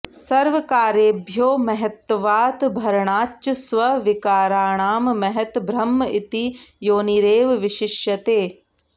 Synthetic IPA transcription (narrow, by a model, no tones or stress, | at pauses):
sɐɾʋɐkaːɾjeːbʱjoːmɐɦɛt̪ʋaːt̪bʱɐɾɳ̃aːt͡ʃɐsʋɐʋɪkaːɾaːɳaːmmɐɦɛt̪bʱɾɐmːɪt̪ijoːniɾeːʋʋɪʃɪʃjɐt̪eː